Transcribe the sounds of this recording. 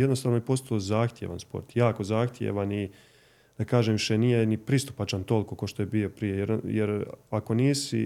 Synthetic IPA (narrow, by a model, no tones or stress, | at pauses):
jed̪nost̪aːʋnojpo̞st̪aozaːxt̪ʲjḛʋa̰nspo̞̰ɾt̪jaːko̞zaːxt̪jḛʋani | d̪akaːʒeːmʃenijenipɾist̪u̥pat͡ʃant̪o̞liko̞kaʃt̪o̞jebio̞pɾije̞jeɾjeɾako̞niːsi